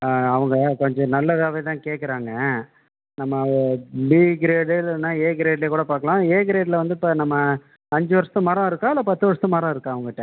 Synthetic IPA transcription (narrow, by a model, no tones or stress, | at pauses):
ɐʋɐŋɡɐkɔɲd͡ʒɔ̃nɐlːɐðaːʋɐjt̪ãːkeːʈkːɐɾaːŋɡɐ | nɐmːɐbiːɡɪɾeːɽelnaːeːɡɪɾeːɖleːkuːɽɐpaːɾkɐɭãːeːɡɪɾeːɖlɐʋɐnd̪ɯpːɐnɐmːɐ | ɐɲd͡ʒɯʋɐɾsɐ̥t̪ːɯ̃mɐːɾɐ̃ɪɾɯkːãːɐlɐpɐt̪ːɯʋɐɾst̪ɯ̃maːɾɐ̃ɪɾɯkːãːɐʋɐŋɡɐɪʈːɛ̃